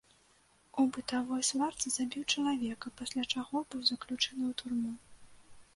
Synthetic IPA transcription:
ubɨt̪avɔjsvart̪sɨz̥abʲiwt͡ʂɐlˠavʲɛkɐpasʲlʲat͡ʂaɣɔbɨwzɐklʲut͡ʂɛnɨwt̪urmu

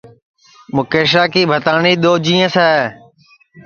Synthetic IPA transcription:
mʊkeːʃ̬aːkiːbʱət̪aːniːɗ̪oːd͡ʒĩːə̃saː

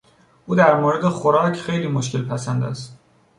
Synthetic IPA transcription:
ʔuːd̪æɾmoːɾe̞d̪e̞xoɾɒːcʰxe̞jliːmoʃcʰe̞lpʰæsænd̪æ̰st̪

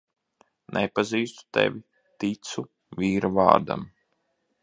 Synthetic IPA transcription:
nʔɛpaziːst̪u̥t̪ɛ̰vʲi | t̪it̪su | vʲiːɾuva̰ːɾd̪a̰m

